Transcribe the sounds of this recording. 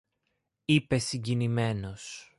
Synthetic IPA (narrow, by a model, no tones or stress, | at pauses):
ipe̞siɲɟinime̞no̞s